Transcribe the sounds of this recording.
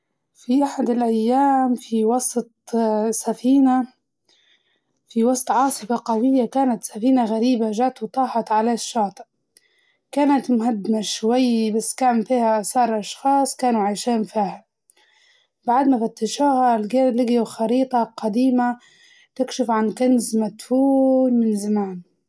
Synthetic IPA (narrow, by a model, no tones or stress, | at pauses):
fiʔaħad̪ɪlʔajːaːmfiwɑsˤt̪̚ˤsafiːna | fiwɑsˤt̪ˤʕɑːsˤɨfɑqɑwɪjːakaːnat̪safiːnaɣaɾiːbaʒaːʔt̪wt̪ˤɑːħɑt̪ʕalaʃːɑːt̪ˤɨ̥ʔ | kaːnat̪mʊɦad̪ːɪmaʃwajːbasːkaːnfiːhaʔasɑːɾˤʔɑʃxɑːsˤkaːnuʕajʃeːmfiːha | baʕd̪mafat̪ːɪʃuːhalɡeːlɪɡjuxɑɾiːt̪ˤɑqɑd̪iːma | t̪ɪkʃɪfʕankanzmat̪fuːlmɪnzamaːn